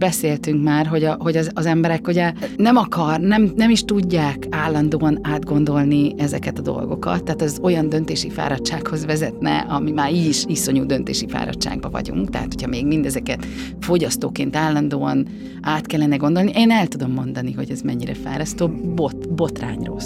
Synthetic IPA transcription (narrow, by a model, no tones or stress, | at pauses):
bɛseːlt̪yŋkmaːrɦo̞ɟɒɦo̞ɟɒzːzɛmbɛɾɛkuɟɛnɛmɒkɒrnɛmnɛmiʃt̪uɟːaːkaːlːɒnd̪oːɒnaːd̪ɡo̞nd̪o̞lniɛzɛkɛt̪ɒd̪o̞̰lɡo̞kɒ̰t̪ːɛɦːt̪ɒzo̞jɒnd̪ø̞nt̪eːʃifa̰ːɾɒtʃaːkho̞zʋɛzɛt̪nɛ̰ʔɒmimaːɾiʃiso̞ɲuːd̪ø̞nt̪ḛːʃifa̰ːɾɒ̰tʃa̰ːɡbɒvɒ̰ɟṵŋkt̪ɛ̰ɦa̰t̪ho̞cʰhɒmeːɡmind̪ɛzɛkɛt̪ | fo̞ɟɒst̪oːkeːnt̪aːlːɒnd̪oːɒn | aːt̪kɛlːɛnɛɡo̞nd̪o̞lniʔeːnɛlt̪ud̪o̞mːo̞nd̪ɒniɦo̞ɟɛzmɛɲːiɾɛ̰fa̰ːɾɒst̪oːbot̪bo̞t̪ra̰ːɲro̰l